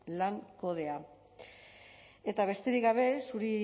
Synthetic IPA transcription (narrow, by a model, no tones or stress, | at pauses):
laŋko̞ð̞e̞a | e̞t̪aβ̞e̞st̪e̞ɾikɡaβ̞e̞suɾi